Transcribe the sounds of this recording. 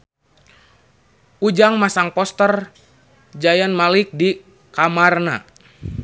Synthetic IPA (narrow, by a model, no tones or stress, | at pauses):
ud͡ʒaŋmasaŋpɔst̪ər | d͡ʒajanmalik̚di | kamarna̰